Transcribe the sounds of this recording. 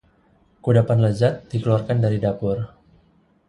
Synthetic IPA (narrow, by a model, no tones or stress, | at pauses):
kudapanləd͡ʒat̪̚dikəluarkandaɾidapʊr